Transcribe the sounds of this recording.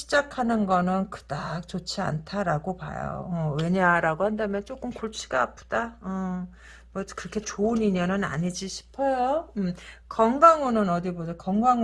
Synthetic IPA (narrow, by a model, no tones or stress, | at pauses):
ɕʰid͡ʑakʰanɯnɡʌnɯnkɯ̥dak̚t͡ɕot͡ɕʰia̰ntʰaɾaɡopa̰jo̰ʌwe̞ɲaɾaɡohandamjʌnt͡ɕ͈ok͈ɯmkuɭt͡ɕʰi̥ɡaːpʰɯd̥aʌ | mʌkɯɾʌkʰe̞t͡ɕoɯniɲʌnɯna̰ɲid͡ʑiɕʰi̥pʰʌjo | kʌŋɡaŋonɯnʌdibodakʌŋɡaŋ